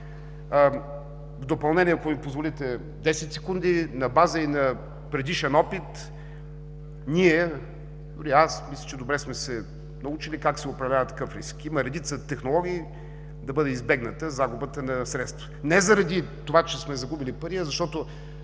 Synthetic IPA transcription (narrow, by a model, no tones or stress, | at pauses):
vd̪opɐlˠnɛniɛɐkomipozvolit̪ɛ | d̪ɛsɛt̪ʲsɛkund̪inɐbazəinɐ | pɾɛd̪iʃɛnɔpit̪ | niɛ | d̪ʊɾiasmislʲə̥t͡ʃɛd̪obɾɛsmɛsɛ | nɐut͡ʃilikaksɛopɾɐvlʲavɐt̪ːɐ̥kəfɾḭskiməɾɛd̪it̪sət̪ɛxnolˠɔɡʲiː | d̪ɐbəd̪ɛizbɛɡnət̪əzaɡubət̪ənɐsɾɛt̪st̪vənɛzɐɾɐd̪it̪ovat͡ʃɛsmɛzɐɡubilipɐɾiəzɐʃt̪ɔt̪o